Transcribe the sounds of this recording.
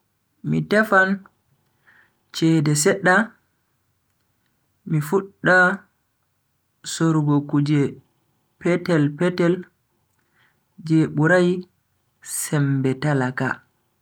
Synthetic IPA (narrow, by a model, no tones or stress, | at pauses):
mḭtɛfan | t͡ʃɛːdɛsɛɗːa | mifuɗːa | soɾɡokud͡ʒɛ | pɛtɛlpɛtɛl | d͡ʒeɓuɾaj | sɛmbɛtalaka̰